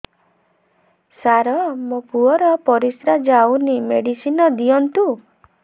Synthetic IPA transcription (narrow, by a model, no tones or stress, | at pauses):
saɾɔmopuɔɾɔpɔɾisɾad͡ʒawnimeɽisinɔd̪iɔnt̪u